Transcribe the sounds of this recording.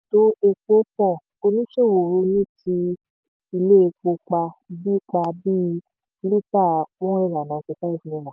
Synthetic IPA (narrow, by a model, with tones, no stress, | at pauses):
to˧˦e˧k͡po˦k͡pɔ̃˦˨ | o˧ni˦ʃe˦˨wo˨ɾu˧nĩ˦tʰi˧ | i˧le˦e˧k͡po˧˦k͡pa˧bi˦k͡pa˧bĩ˦˧ | li˦ta˦˨wɔ̃˦e˦˨ɾa˨nã˨ke˧ta˦i˦˨fi˨nĩ˧˨lã˨